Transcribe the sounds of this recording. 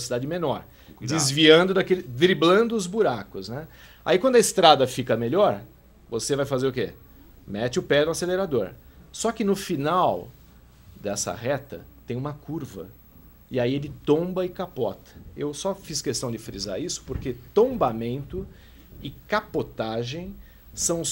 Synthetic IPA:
sid̪ad͡ʒɪmenɔɾ | dd͡ʒ̪ɪzviɐ̃d̪ʊd̪akelɪd̪ɾiblɐ̃nd̪ʊʊzbuɾakʊznɛ | a̰ikw̃nd̪ʊɐɪst̪ɾad̪ɐfikɐmeʎɔɾ | vosevajfazeɾʊkḛ | mɛt͡ʃɪʊpɛnʊaseleɾad̪oɾsɔkɪnʊfinaw | d̪ɛsɐ̰hɛt̪ɐ̰t̪ẽj̃ũmɐkʰuɾvɐ̰ | ɪaielɪt̪õbɐɪkapɔt̪ʰɐ̥ewsɔfiskest̪ɐ̃w̃d͡ʒɪfɾiza̰ɾisʊ̥poɾket̪õbamẽnt̪ʊ | ɪkapot̪aʒẽj̃ | sɐ̃w̃

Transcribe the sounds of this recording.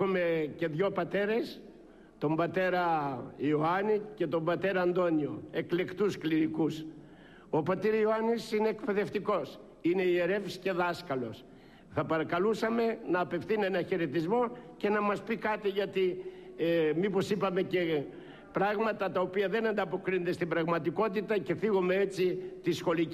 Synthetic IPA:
ume̞ce̞ðʝo̞pɐt̪e̞ɾe̞s | t̪o̞mbɐt̪e̞ɾɐioɐnice̞t̪o̞mbɐt̪e̞ɾɐːnd̪o̞nio̞e̞kle̞kt̪uskliɾikus | o̞pɐt̪iɾɐioɐnisine̞ːkpe̞ðe̞ft̪iko̞s | ine̞ieɾe̞fsce̞ðɐskɐlo̞s | θɐpɐɾɐkɐlusɐme̞nɐːpe̞fθine̞nɐçeɾe̞t̪izmo̞ce̞nɐmɐspikɐt̪iʝɐt̪i | mipo̞sipɐme̞ce̞ | pɾɐɣmɐt̪ɐt̪ɐopiɐðe̞nɐnd̪ɐpo̞kɾinod̪e̞st̪ibɾɐɣmɐt̪iko̞t̪it̪ɐce̞fiɣome̞et͡sit̪isxo̞li

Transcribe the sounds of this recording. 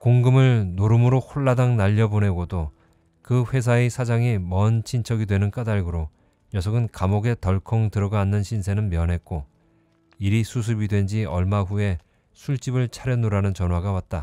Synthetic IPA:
koŋɡɯmɯɭnoɾɯmɯɾoɸuɭːadaŋnaʎːʌbone̞ɡodo | kɯɸwe̞s̬ʰaesʰad͡ʑaŋimʌnt͡ɕʰint͡ɕʰʌɡidwe̞nɯnk͈adaɭɡɯɾo | jʌsʰʌɡɯnkamoɡe̞tʌɭkʰʌŋtɯɾʌɡʌanːɯnɕʰinsʰe̞nɯnmjʌnɦe̞k̚k͈o | iɾisʰus̬ʰɯbidwe̞nd͡ʑiʌɭmaɸue̞ | sʰuɭt͡ɕ͈ibɯɭt͡ɕʰaɾjʌnoɾanɯnt͡ɕʌnwaɡawat̚t͈a

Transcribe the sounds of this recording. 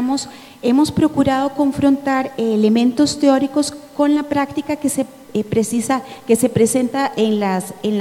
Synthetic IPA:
mos | e̞mo̞spɾo̞kuɾaðo̞ko̞ɱfɾo̞nt̪aɾele̞mẽ̞nt̪o̞st̪eo̞ɾiko̞sko̞nlapɾakt̪ikakese | pɾesisake̞se̞pɾe̞se̞nt̪aʔenlasen

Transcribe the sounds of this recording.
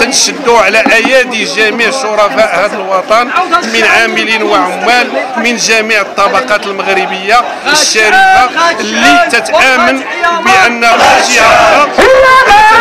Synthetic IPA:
t̪ət̪ʃəd̪ːuʕlæʔæjæd̪iʒæmiʕʃoɾˤɑfaʔhæd̪əlwɑt̪ˤɑnmənʕaməlinwəʕʊmːælmənʒæmiʕət̪ˤːɑbɑqɑt̪əlməɣɾəbəjːa | əʃːæɾikalːit̪ət̪ʔʔæmən | bəʔənːæmæʒiææ

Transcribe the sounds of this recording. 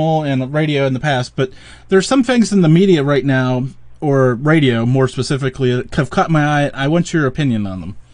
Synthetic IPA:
l̩ˠɨ̃nɹeɪɾioʊɨ̃nðɨpʰæst̚b̥ʌt̪̚ | ðə˞z̥sʌ̃mθɪ̃ŋzɨ̃n̩ðɨmiɾiɨɹaɪtⁿnaʊ | ə˞ɹeɪɾioʊmɔɹspɨsɪfɨkʰlikʰɨv̥kʰʌt̚maɪaɪaɪwɑ̃nt͡ʃə˞ɨpʰɪ̃njɨ̃nə̃nðə̃m

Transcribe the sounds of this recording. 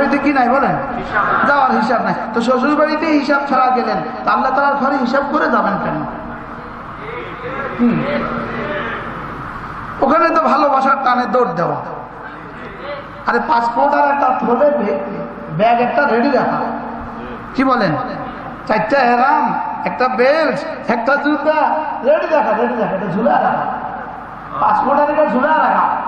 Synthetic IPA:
ɽit̪̬ikinajbɔlen | d͡ʑaoaɾɦiʃabnajt̪oʃ̬osoɾbaɽit̪eɦiʃab̚t͡ɕʰɔɾaɾɡelent̪alːat̪aɾaɾɡʱɔɾiɦiʃab̚koɾed͡ʑabenkani | ki | pokʰemet̪ɔbʱalobaʃaɾtaned̪oʈd̪ewa̰ | aɾepat͡ʃpɔʈaɾɛk̚ʈat̪ʰobebe | bɛɡɛk̚ʈaɾeɽiɾakʰa̰ | kibɔlen | t͡ɕajt̪ːaɛɾamɛk̚ʈabeɾd͡ʒɛk̚ʈasupaɾeɽiɾakʰaɾeɽid̪akʰaɛʈad͡ʒʱulaaɾakʰa̰ | pat͡ʃkɔʈaɾiʈad͡ʒʱulaaɾakʰa

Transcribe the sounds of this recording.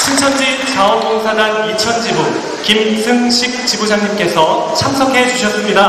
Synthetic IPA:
t͡ɕʰint͡ɕʰʌnd͡ʑit͡ɕaʌnk͈oŋsʰadanit͡ɕʰʌnd͡ʑibon | kimsʰɯŋɕʰik̚t͡ɕibosʰaŋɲimk͈e̞sʰʌt͡ɕʰams̬ʰʌkʰe̞d͡ʑuɕʰʌs͈ɯmɲida

